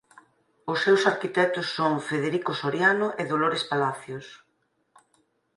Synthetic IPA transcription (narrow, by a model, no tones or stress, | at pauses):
ʊsːewsaɾkit̪ɛt̪ʊsːoŋfeðeɾikosoɾjanʊʔeðoloɾespalaθjʊs